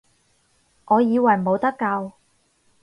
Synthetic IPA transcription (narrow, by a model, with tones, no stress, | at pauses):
ʔɔː˨˧jiː˨˧wɐ˨˩j̩˨o˨˧wt̪ɐ˥kːɐ˧w